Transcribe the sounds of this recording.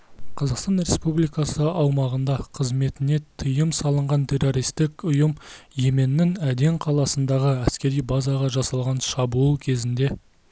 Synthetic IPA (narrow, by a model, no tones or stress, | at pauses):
qʰɑzɑqst̪ɑnɾe̞spublijkɑsəɑwmɑʁənd̪ɑqʰəzme̞t̪ɪne̞t̪ʰəjəmsɑlˠəɴʁɑnt̪ʰʲe̞ro̞ɾijst̪ɪkʊjəmje̞me̞nːɪŋæd̪e̞ŋqʰɑlˠɑsənd̪ɑʁəæskʲe̞ɾijbɑzɑʁɑʒɑsɑlˠʁɑnʃɑbuulˠkʲʰe̞zɪnd̪e̞